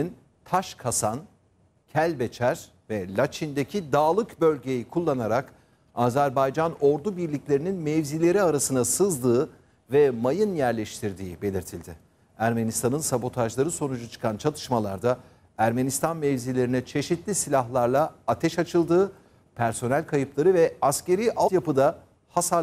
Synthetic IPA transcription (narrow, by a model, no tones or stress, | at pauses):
n | t̪ʰaʃkʰasan | cʰælʲbet͡ʃʰæɾ | vɛlʲat͡ʃʰind̪e̞cʰid̪aːlˠɯkbø̞lʲɟe̞jikʰulˠːanaɾak | aːzæɾbajd͡ʒano̞ɾd̪ubiɾlʲiclʲeɾininmɛvzilʲe̞ɾiaɾasɯnasɯzd̪ɯː | vɛmajɯnjæɾlʲeʃt̪ʰiɾd̪iːbe̞lʲiɾt̪ʰilʲd̪ɪ | æɾme̞nist̪ʰanɯnsabo̞t̪ʰaʒlˠaɾɯso̞nud͡ʒut͡ʃʰɯ̥kʰant͡ʃʰalˠɯ̥ʃmalˠaɾd̪a | æɾme̞nist̪ʰanmɛvzilʲe̞ɾinɛt͡ʃʰe̞ʃit̪ʰlʲisilʲaɦlˠaɾlˠaat̪ʰɛʃat͡ʃʰɯlˠd̪ɯː | pʰæɾso̞nælʲkʰajɯplˠaɾɯvɛasce̞ɾiːʔajapɯd̪a | hasa